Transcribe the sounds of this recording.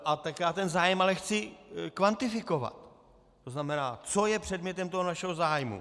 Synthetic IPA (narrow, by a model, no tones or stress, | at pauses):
ʔat̪akjaːt̪ɛnzaːjɛmalɛxt͡sɪkvant̪ɪfɪko̞va̰t̪ː | o̞znamɛnaːt͡so̞jɛpr̝̥ɛdmɲɛt̪ɛmt̪o̞ɦonaʃɛɦozaːjmṵ